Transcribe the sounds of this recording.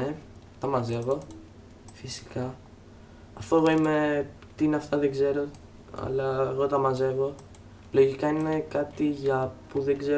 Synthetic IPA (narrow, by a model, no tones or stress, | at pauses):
e | t̪ɐmɐze̞ɣo̞ | fisi̥kɐː | ft̪oe̞ɣo̞ime̞ | t̪iineɐft̪ɐðeɡze̞ɾo̞ | ɐ̰lɐeɣo̞t̪ɐmɐze̞ɣo̞ | lo̞ʝikɐine̞kɐt̪iʝɐpuðe̞ɡze̞